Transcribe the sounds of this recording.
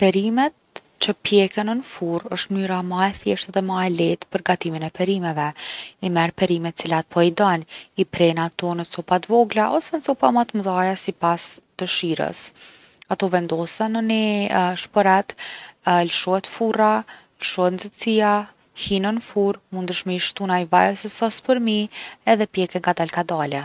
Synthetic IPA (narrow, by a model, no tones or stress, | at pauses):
pɛɾimɛt̪̚ | t͡ɕəpjɛkənənfuɾəʃt̪myɾamaɛθjɛʃt̪ðɛmaɛlɛt̪pəɾɡat̪iminɛpɛɾimɛvɛimɛɾpɛɾimɛt̪t͡silat̪̚pʰɔid̪ɔnipɾɛnat̪ɔnət͡sɔpat̪vɔɡlaʔɔsɛnət͡sɔpamat̪mðajasipasd̪̥əʃiɾə̰s | at̪ɔvɛnd̪ɔsɛnəniʃpɔɾat̪ | ləʃɔhɛt̪fura | ləʃɔhɛt̪nzət͡sia | hinənfuɾmund̪əʃmiʃt̪unaivajɔsəsɔspəɾmiɛðɛpjɛkɛŋɡad̪alkad̪alɛ